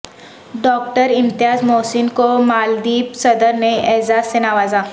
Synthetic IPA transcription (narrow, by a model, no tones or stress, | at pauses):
ɖɔːk̚ʈəɾɪ̃mt̪ɪjaːzmoːsɪnkomaːld̪iːpsɐd̪əɾneeɦzaːsːenaːʋaːzaː